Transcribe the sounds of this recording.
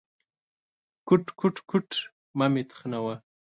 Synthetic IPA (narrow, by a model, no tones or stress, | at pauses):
kʊʈ͡ʂkʊʈ͡ʂkʊʈ͡ʂ | mamɪt̪χnawa